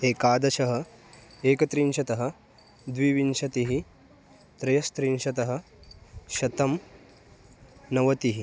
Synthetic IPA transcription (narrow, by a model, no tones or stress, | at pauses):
eːkaːd̪ɐʃɐɦɐ̆ | eːkɐt̪ɾinʃɐt̪ɐɦɐ̆ | d̪ʋiʋinʃɐt̪iɦi | t̪ɾɐjɐst̪ɾinʃɐt̪ɐɦɐ̆ | ʃɐt̪ɐm | nɐʋɐt̪iɦi